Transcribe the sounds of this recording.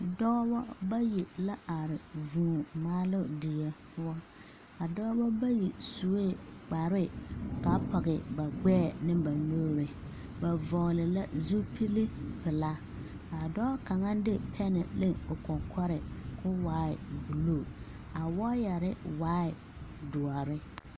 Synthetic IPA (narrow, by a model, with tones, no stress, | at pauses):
dɔː˦bɔ˦ba˦ji˨la˦ʔa˨ɾɪ˨vũː˨maː˦lʊ˦di˨ɛ˨pʰʊ˦ɔ˦ | a˨dɔː˦bɔ˦ba˦ji˨su˨˦e˦˨k͡pa˨ɾɪ˦ka˨˦pʰɔ˨ɡɪ˨ba˨ɡ͡bɛː˦˨nɪ˦ba˨noː˦ɾɪ˨ | ba˨vɔ˨ɣlɪ˨la˦zu˦pʰi˦lɪ˦pɪ˨la˦ | a˨dɔː˦ka˨ŋa˦dɪ˦pʰɛ˦nɪ˨lɪ˦ʊ˨kɔ˨kʰɔ˦ɾɪ˨kʰʊ˦waː˦ɪ˨bu˨lo˦˨ | a˨wɔ˦ja˨ɾɪ˦waː˦ɪ˨ | dʊ˨a˨ɾɪ˦